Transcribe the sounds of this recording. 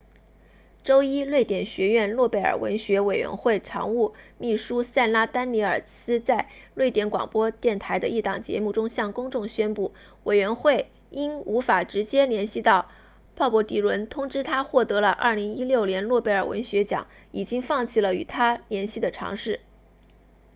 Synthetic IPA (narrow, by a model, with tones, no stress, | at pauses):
ʈ͡ʂo˥ʊi˥lwe˥˩ɪt̪jɛ˨˩nɕɥɛ˧˥ɥɛ˥˧nlwɔ˥˧pe˥˩ɪə̰˨˩wə̰˧˥nɕɥɛ˧˥we˨˩ɪɥɛ̰˧˥nxwe˥˩ɪʈ͡ʂʰɑ̰˧˥ŋu˥˧mi˥˩ʂu˥sa˥˩nla˥t̪a˥nli˧˥ə˞˨˩sɹ̩˥t͡sa˥˧ɪlwe˥˩ɪt̪jɛ˧˥nkwɑ̰˨˩ŋpwɔ˥t̪jɛ˥˩nt̪ʰa˧˥ɪd̪ə̰˧i˥˩t̪ɑ˨˩ŋt͡ɕjɛ̰˧˥mu˥˩ʈ͡ʂʊ˥ŋɕjɑ˥˩ŋkʊ˥ŋʈ͡ʂʊ˥˩ŋɕɥɛ˥npu˥˩ | we˨˩ɪɥɛ˧˥nxwe˥˩ɪ | i˥nu˧˥fa˨˩ʈ͡ʂɻ̩˧˥t͡ɕjɛ˥ljɛ˧˥nɕi˥˧t̪ɑ˥˩ʊ | pʰɑ˥˩ʊpwɔ˧˥t̪i˧˥ɻwə˧˥nt̪ʰʊ˥ŋʈ͡ʂɻ̩˥t̪ʰa˥xwɔ˥˩t̪ɤ˧˥lə˧ʔɐ̰˞˥˩li˧˥ŋi˥ljo˥˩ʊnjɛ˧˥nlwɔ˥˧pe˥˩ɪə˞˨˩wə̰˧˥nɕɥɛ˧˥t͡ɕjɑ̰˨˩˥ŋ | i˨˩t͡ɕi˥ŋfɑ˥˧ŋt͡ɕʰi˥˩lə˩y˨˩t̪ʰa˥ljɛ˧˥nɕi˥˩d̪ə˩ʈ͡ʂʰɑ̰˧˥ŋʂɻ̩˥˩